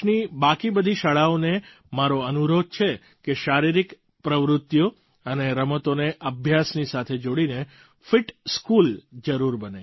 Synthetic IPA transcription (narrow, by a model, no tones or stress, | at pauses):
nibakibəd̪ʱiʃəɭaone | maɾoənuɾod̪̚t͡ʃʰe | keʃaɾiɾik | pɾəʋɾʊt̪ːjo | əneɾəmət̪oneʔəbʱjasnisat̪ʰed͡ʒoɽine | fɪʈskuld͡ʒəɾuɾbəne